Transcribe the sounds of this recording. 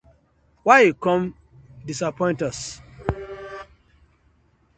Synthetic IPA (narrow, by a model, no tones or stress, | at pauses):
waɪikɔ̃m | disapɔ̃ɪ̃ntas